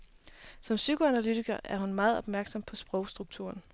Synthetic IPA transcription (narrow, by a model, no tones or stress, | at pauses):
sɒ̽msykʰo̝ænælyt͡sʰiɡ̥ɐʔæɐhunmɑ̈ːð̞̩ˠɒ̽b̥̚mæɐɡ̥sɒ̽m̰pʰɒ̽sb̥ʁɒ̽ʊsd̥ʁuɡ̥̚t͡sʰṵɐn